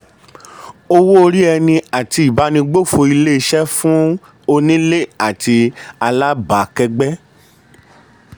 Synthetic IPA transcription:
o˧wo˦o˧ɾi˦ɛ˧nĩ˧a˨ti˧˨ba˨˦nĩ˧ɡ͡bo˦˨fo˧i˧le˦i˧ʃɛ˦fũ˦ | o˧nĩ˦le˦˨a˦˨ti˧a˧la˦ba˨kɛ˧ɡ͡bɛ˦

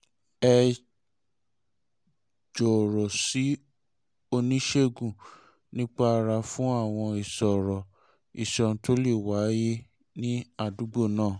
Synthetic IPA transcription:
ɛ˧ | d͡ʒɔ˨ɾɔ˨si˨˦ | o˧nĩ˦ʃe˦ɡũ˦˨ | nĩ˦k͡pa˦˧ɾa˧fũ˦a˦˨w̃ɔ̃˧i˨sɔ˨ɾɔ˨ | i˨ʃɔ˧n˨˦tʰo˦le˦˨wa˨˦je˦ | nĩ˦a˧˨du˨˦ɡ͡bo˦˨nãː˦˨

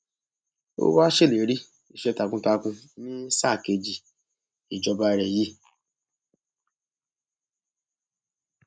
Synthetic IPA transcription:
o̰˦wa˦ʃe˦le˨˦ɾi˦ | i˨ʃɛ˨˦ta˧kũ˧ta˧kũ˧nĩ˦sa˦˨ke˧d͡ʒi˨ | i˨d͡ʒɔ˧ba˧ɾɛ˨ji˦

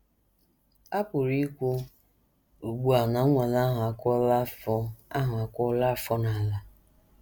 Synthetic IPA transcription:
a˦pʊ˨ɾi˦kʷu˦ | u˨ɡ͡bu˦a˨na˨˦ŋʷa˨la˦ɦa˨kɔ˦lɔ˦a˦ɦʊ˨a˨kʷɔ˦la˦˨fɔ˦na˨a˨la˨

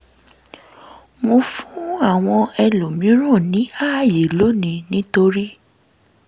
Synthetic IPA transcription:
mo˧fũ˦˨˦a˦˨w̃ɔ̃˧ɛ˧lo˨mĩ˨˦ɾ̃ɔ̃˦˨nĩ˨˦a˦˨je˨lo˨˦˨nĩ˨nĩ˨˦to˧ɾi˦

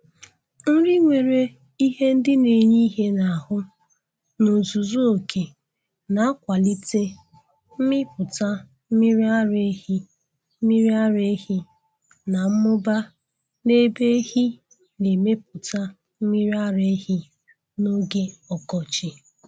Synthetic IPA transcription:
n̩˦ɾɪ˦ŋʷe˨ɾe˦ | i˦ɦe˦n̩˦dɪ˦ne˨ɲi˦ɦe˦na˨a˨hʊ˦ | no˨zu˨zu˦o˨kʰe˨ | na˨a˦kʷa˨li˦te˦ | m̩˦mɪ˦pʊ˨ta˦ | m̩˦mi˦ɾi˦a˦ɾe˦ɦi˦ | m̩˦mi˦ɾi˦a˦ɾe˦hi˦ | na˨m̩˦mʊ˦ba˦ | ne˦be˦hi˦ | ne˨me˦p̚ʊ˨ta˦ | m̩˦mi˦ɾi˦a˦ɾe˦hi˦ | no˦ɡe˦ɔ˨kɔ˨t͡ʃi˦

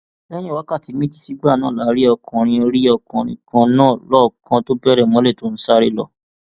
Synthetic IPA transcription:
lɛ˦j̃ĩ˦˨wa˨˦ka˦˨ti˨˧˦mĩ˦di˦si˦ɡ͡ba˦˨nãː˦˨la˨˦ɾi˦ɔ˧kɔ̃˧ɾ̃ĩ˧o˧ɾi˦ɔ˧kɔ̃˧ɾ̃ĩ˧kã˧nãː˦˨lɔ˦˨kʰã˧to˦bɛ˦˨ɾɛ˦˨mɔ̃˨˦le˦˨to˦ñ̩˦sa˦ɾi˦lɔ̰˧

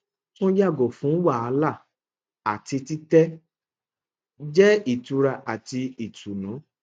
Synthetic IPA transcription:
tũ˦ja˦˨ɡo˨fũ˨˦wa˦˨a˧˦la˦˨ | a˨ti˧ti˦tɛ˦ | d͡ʒɛ˦i˦˨tu˧ɾa˧ʔa˨ti˧i˨tu˨nũ˨˦

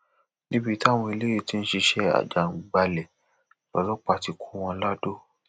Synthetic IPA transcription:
nĩ˦bi˧˦ta˦˨w̃ɔ̃˧i˧le˦e˦˨ti˦n̩˦ʃi˧ʃɛ˦a̰˨d͡ʒa˨˦˨ɡ͡ba˧lɛ˨ | lɔ̰˨lɔ˦k͡pa˧ti˨˧kʰu˦w̃ɔ̃˧˦la˦do˦˨

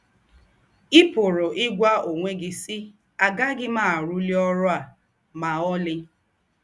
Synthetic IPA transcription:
i˦pʊ˨ɾʊ˨ʔɪ˦ɡʷa˦o˨ŋʷe˦ɡɪ˦si˦ | a˨ɡa˦ɡɪ˦maː˦˨ɾu˦li˦ɔ˦ɾʊ˦a˨ | ma˨ɔ˦lɪ˦

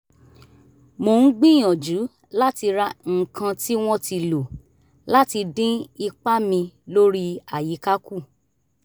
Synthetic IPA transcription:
mo˧˨n̩˦ɡ͡bĩ˦j̃ɔ̃˨d͡ʒu˨˦ | la˦ti˧ɾa˧ŋ̩˨kʰã˧ti˦w̃ɔ̃˦ti˧lo˨ | la˦ti˧dĩ˦i˧k͡pa˦mĩ˧lo˦ɾi˦a˨ji˨˦ka˦ku˦˨

